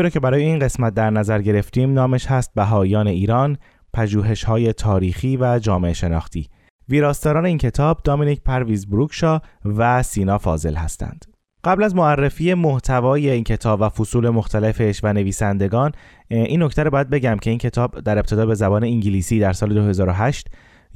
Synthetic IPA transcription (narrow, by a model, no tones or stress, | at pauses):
iɾɒːcʰebæɾɒːje̞inɢe̞smæt̪̚d̪æɾnæzæɾɟe̞ɾe̞ft̪iːmnɒːme̞ʃhæst̪̚bæɦɒːijɒːne̞iːɾɒːn | pʰæʒuːɦe̞ʃhɒːje̞t̪ʰɒːɾiːxiːvæd͡ʒɒːme̞eʃe̞nɒ̰ːxt̪ʰḭː | viːɾɒːsd̪oːɾɒːne̞iːncʰe̞t̪ʰɒːb̚d̪ɒminicpʰæɾviːzbɾukʃɒːvæsiːnɒːfɒ̰ːze̞̰lɦæ̰st̪ʰæ̰nd̪̥ | ɢ̥æblæzmoærːefiːe̞moht̪ʰævɒːje̞iːncʰe̞t̪ʰɒːbvæfosuːle̞moxt̪ʰæle̞fe̞ʃvæne̞viːsænd̪e̞ɡɒːn | ʔinːo̞cʰt̪æɾobɒːjæd̪be̞ɟæmcʰe̞incʰe̞t̪ʰɒːb̚d̪æɾe̥t̪ʰe̞d̪ɒːbe̞zæbɒːne̞iŋɟiliːsiːd̪æɾsɒːleoɦe̞zɒːɾoɦæʃt̪